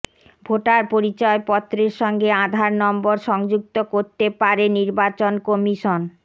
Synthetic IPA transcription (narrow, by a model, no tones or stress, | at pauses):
bʱoʈaɾpoɾit͡ɕɔepɔt̪ːɾeɾʃɔŋɡeãd̪ʱaɾnɔmboɾʃɔŋd͡ʑuk̚t̪okoɾt̪epaɾeniɾbat͡ɕonkomiʃon